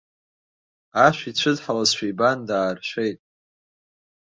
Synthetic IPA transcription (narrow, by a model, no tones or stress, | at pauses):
aʃʷᶣit͡ɕʷʰɨdħalazʃʷᶣijbandaːrʃʷejtʼ